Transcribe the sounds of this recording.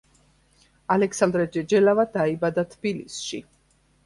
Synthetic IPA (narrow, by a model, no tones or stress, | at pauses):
alɛksand̪ɾɛd͡ʒɛd͡ʒɛlavad̪aibad̪at̪ʰb̥ilisʃi